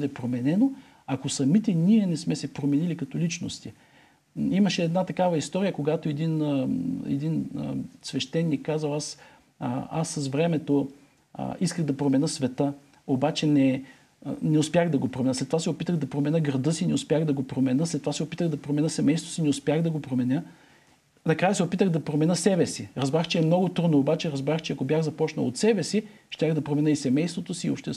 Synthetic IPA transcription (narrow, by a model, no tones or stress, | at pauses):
bəd̪ɛpɾomɛnɛno | akosɐmit̪ɛniɛnɛsmɛsɛpɾomɛnilikɐt̪olit͡ʃno̰st̪i | imɐʃɛːd̪nat̪ɐkavɐist̪ɔɾijəkoɡat̪oɛd̪in | ɛ̰d̪in̰svɛʃt̪ɛnːikːazvɐlˠas | a̰sːɐzvɾɛmɛt̪o̰ | iskəɣd̪ɐpɾomɛnəsvɛt̪ə | obat͡ʃɛnɛ | nɛʊspjaɣd̪ɐɡopɾomɛnəslɛt̪ːovasɛopit̪əɣd̪ɐpɾomɛnəɡɾɐd̪ɤsinɛʊspjaxd̪ɐɡopɾomɛnəslɛt̪ːovasɛopit̪əɣd̪ɐpɾomɛnəsɛmɛjst̪vo̥sinɛʊspʲjaxd̪ɐɡopɾomɛnʲə | nɐkɾajəsɛopit̪əɣd̪ɐpɾomɛnəsɛbɛsiɾɐzbɾaxt͡ʃɛɛmnɔɡot̪ɾud̪noːbat͡ʃɛɾɐzbɾaxt͡ʃɛɐkobʲjaɣzɐpɔt͡ʃnɐ̰lˠot̪sɛbɛsi | ʃt̪ʲaɣd̪ɐpɾomɛnəisɛmɛjst̪vot̪osiːo̰pʃt̪ɛ